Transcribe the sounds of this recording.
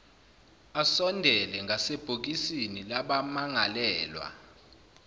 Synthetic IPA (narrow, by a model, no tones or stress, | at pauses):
asɔndʱɛlɛŋʱaseb̥ʱok̬isinilaɓamaŋalɛːlwa̰